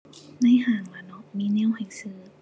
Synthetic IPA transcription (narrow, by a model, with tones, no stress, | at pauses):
na˧˥˨jhaː˨˧˩ŋla˨˩nɔ˧˦miː˧˥ni˧˥˨wha˨˩jsɯː˧˦